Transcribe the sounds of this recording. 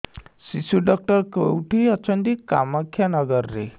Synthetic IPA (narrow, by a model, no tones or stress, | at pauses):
sisuɖɔk̚ʈɔɾkkoewʈʰiɔt͡ʃʰɔnt̪ika̰mɔkʰːjanɔɡɔɾɔɾḛ